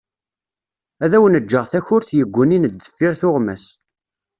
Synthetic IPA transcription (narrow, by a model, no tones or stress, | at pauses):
æðæwənəd͡ʒːəʁθæçʊɾθjəɡʷːənind̪ːə̥fːiɾθʊʁmæs